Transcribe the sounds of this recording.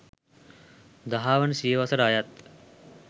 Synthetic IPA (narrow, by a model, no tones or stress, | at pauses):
d̪ɐɦaːʋɐnsiːʋɐsɐɾaːjat̪̚